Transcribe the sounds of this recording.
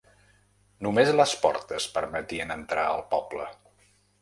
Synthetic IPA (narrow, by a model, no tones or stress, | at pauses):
numezləspɔ̰ɾt̪əspəɾmət̪iənənt̪ɾa̰ə̰lˠpɔblə̰